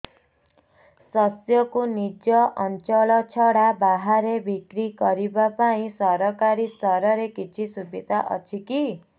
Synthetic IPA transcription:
sɔsjɔkunid͡ʒɔʔɔnt͡ʃɔɭɔt͡ʃʰɔɽabaɦaɾebikɾiɡʌɾibapaĩsɔɾɔkaɾisɔɾɔɾekit͡ʃʰisubid̪ʱaʔʌ̰t͡ʃʰiki

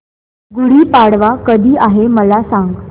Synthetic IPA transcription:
ɡuɽiːpaɽʋakəd̪ʱiːʔaɦeməlasaŋɡ

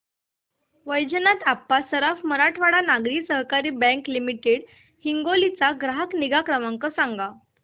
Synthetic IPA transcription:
ʋəjd͡ʑənat̪apːasəɾafməɾaʈʰʋaɽanaɡɾiːsəɦkaɾiːbɛ̃klimiʈeɽ | hiŋɡolit͡saɡɾaɦəkniɡakɾəmaŋkəsaŋɡa

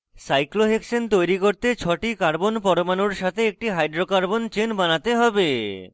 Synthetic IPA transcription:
sajkloɦekʃont̪ojɾikoɾt̪et͡ɕʰɔʈikaɾbonpɔɾomanoɾʃat̪ʰeek̚ʈiɦajɖɾokaɾbont͡ɕenbanat̪eɦɔbe

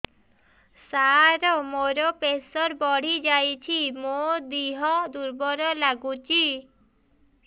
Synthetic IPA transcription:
saɾɔmoɾopesɔɾbɔɽ̤id͡ʑajt͡ɕʰimod̪iɦɔd̪uɾbɔɾɔlaɡut͡ɕi

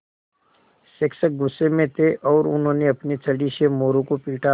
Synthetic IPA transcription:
seksək̚ɡʊsːemẽt̪ʰeʔɔːɾʊ̰nɦõːneɐpnet͡ʃʰɐɽisemoːɾõkopiːʈʰa

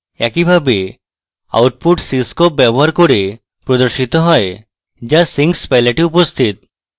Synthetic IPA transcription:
ɛkibʱabe | a̰wʈ̚puʈsiskop̚bjɛbɔɦaɾkoɾe | pɾɔd̪ɔɾʃit̪ɔɦɔe | d͡ʒasiŋɡspajleʈiupost̪ʰit̪̚

